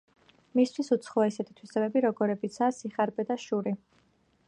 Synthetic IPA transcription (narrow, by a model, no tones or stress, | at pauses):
mist̪ʰwisut̪sʰχɔaisɛt̪ʰi̥t̪ʰwisɛbɛbiɾɔɡɔɾɛbit̪sʰaːsiχaɾbɛd̪aʃuɾi